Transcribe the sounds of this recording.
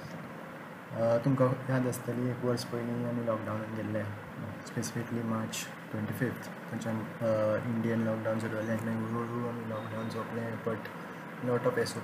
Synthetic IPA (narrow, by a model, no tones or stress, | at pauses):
t̪umkat̪jad̪əst̪aliekʋəɾspəilĩam̃ilɔk̚ɖawnɡellɛ | spesifikəliːmaɾt͡ɕ | ʈʋẽɳʈifift̪ʰ | t̪ãt͡ɕa | iɳɖijənlɔkɖãwnsəɾaljãnaiʋəɾoɽuamilɔkɖawnsopɽ̃ẽpəʈ | noʈɔpeso